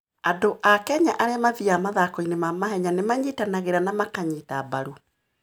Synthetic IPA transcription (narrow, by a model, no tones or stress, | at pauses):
adoʔakɛɲaʔaɾeamaðiamaðakɔinemamaɦɛɲanemaɲitanaɣeɾanamakaɲiːtabaɾu